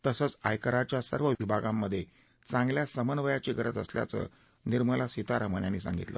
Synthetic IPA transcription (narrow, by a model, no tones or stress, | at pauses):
t̪əsət͡sajkəɾat͡ɕjasə̰ɾʋəʋibʱaɡamːəd̪ʱːje | t͡sãŋɡljasəmənʋəjat͡ɕiɡəɾət̪əslja̰t͡sə̰ | niɾməlasit̪aɾəm̤ənjanːiːsa̰ŋɡit̪lə̰ː